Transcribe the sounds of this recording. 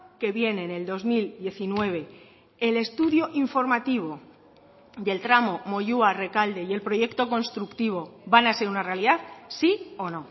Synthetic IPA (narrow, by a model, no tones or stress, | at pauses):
ke̞βje̞neːne̞ld̪o̞zmild̪je̞θinwe̞β̞e̞ | ele̞st̪uðjo̞ʔiɱfo̞ɾmat̪iβ̞o̞ | d̪e̞lt̪ɾamo̞mo̞ʝuare̞kald̪e̞je̞lpɾo̞ʝe̞kt̪o̞ko̞nst̪ɾukt̪iβ̞o̞banase̞ɾunare̞aliðaðsio̞no̞